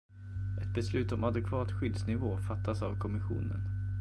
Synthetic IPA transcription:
ʔɛt̪̚bɛslʉ̟ːt̪ɔmad̪ɛkʰvɑːt̪ɧʏd̪snɪvoːfat̪ːasavkʰɔmɪɧṵːnə̰n

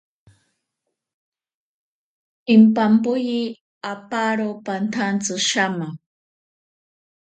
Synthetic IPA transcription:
impampʊji | apaɾopant̪ʰant͡sɨʃama

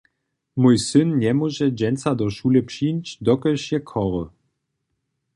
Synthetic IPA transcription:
mujsɨnɲɛmuʒɛd͡ʑɛnt͡sad̪ɔʃulɛpʂinʲt͡ɕd̪ɔkɛʃjɛkʰɔʁɔ

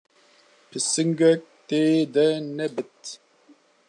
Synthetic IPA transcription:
pʰɨsɨŋɡɛk̚t̪eːd̪ɛnɛbɨt̪̚

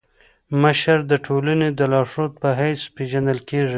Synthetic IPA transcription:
məʃəɾd̪əʈʰolaned̪əlɑʂot̪̚pəɦajspeʒand̪əlkeʐi

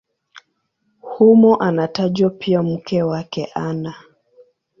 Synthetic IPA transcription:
humɔʔanataʄwapʰiam̩kɛwakɛʔana

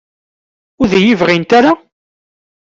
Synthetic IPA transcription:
ʊɾðæjivʁint̪aɾa

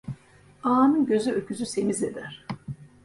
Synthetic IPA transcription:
aːnɯnɟø̞zyøcʰyzyse̞mize̞d̪æɾ̥

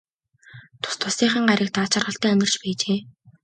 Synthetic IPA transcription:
t̪ʰʊ̥st̪ʰʊsiːχə̆ŋɢaɾʲɪːk̚t̪aːt͡ɕʰarʁə̆ɬt̪æːɵnʲɪ̆r̥t͡ɕpæːt͡ɕeː

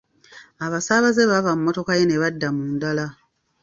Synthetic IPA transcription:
aβasaːβazeβavamumːo̞to̞kajene̞βadːamuːndala

